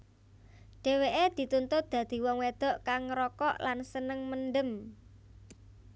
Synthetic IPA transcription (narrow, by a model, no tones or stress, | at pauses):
ɖ̥e̤weʔed̪̥i̤t̪unt̪ʊt̪̚d̪̥ä̤d̪̥i̤wɔŋwed̪̥ɔ̤ʔkaŋɾɔkɔʔlansənəŋmənɖəm